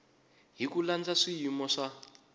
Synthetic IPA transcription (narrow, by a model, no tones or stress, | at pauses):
ɦikuland͡zaʂijimɔʂa